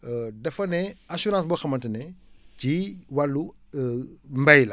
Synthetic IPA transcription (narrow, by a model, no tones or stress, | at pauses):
dɐfɐneasuɾãːsboxɐmɐntinet͡ʃiwalːu | mbajlɐ